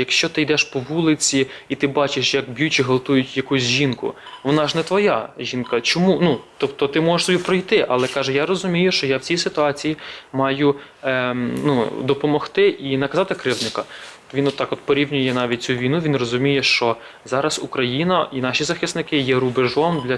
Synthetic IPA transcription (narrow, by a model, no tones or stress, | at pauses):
jɐkʃt͡ʃɔt̪ɪjd̪ɛʃpɔʋulˠɪt͡sʲiit̪ɪbɑt͡ʃɪʃjɐkbʲjut͡ʃiɦɔlˠt̪ujʊtʲjɐkusʲʒʲinkʊ̰ʋɔnɑʒnɛt̪ʋɔjaʒʲinkɐt͡ʃɔmunut̪ɔpt̪ɔt̪ɪmɔʒeʃsɔbʲipɾɔjt̪ɪʔɐlˠɛkɑʒɛjaɾɔzʊmʲijʊʃt͡ʃɔjawt͡sʲijsɪt̪ʊɑt͡sʲijimɑjʊ | nud̪ɔpɔmɔxt̪ɪʔinɐkɐzɑt̪ɪkɾɪwnɪkɐ | ʋinɔt̪ːɑkɔt̪pɔɾʲiwnʲʊjɛnɑʋʲit̚ʲt͡sʲuʋʲijnuʋʲinrɔzʊmʲijɛʃt͡ʃɔ | zɑɾɐzʊkɾɐjinɐʔinɑʃizɐxɪsnɪkɪjɛɾʊbɪʒɔnd̪lʲɐ